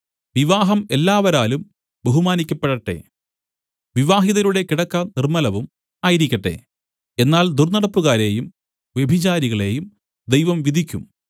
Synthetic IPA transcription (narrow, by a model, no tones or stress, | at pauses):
ʋiʋaːɦɐme̞lːaːʋɐɾaːlum | beɦumaːnikʲːɐpːeɽɐʈːe̞̰ | ʋiʋaːɦiðɐɾuɽe̞kiɽɐkːɐnirmɐlɐʋum | aːjiɾikʲːɐʈːe̞̰ | enːaːld̪urnɐɽɐpːuɣaːɾe̞jum | ʋje̞bʱit͡ɕaːɾiɣɐɭe̞ːjum | d̪ejʋɐmʋid̪ʱikʲːṵm